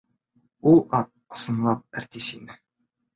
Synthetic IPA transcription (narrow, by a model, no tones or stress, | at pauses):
ulˠɑ | ɒ̥̆sɤ̆nlˠɑp̚æ̆ɾt̪isinɘ